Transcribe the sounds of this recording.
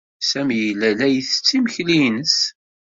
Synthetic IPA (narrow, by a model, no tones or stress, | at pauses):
sæmijəlːælæjəθət͡sːiməçlijnəs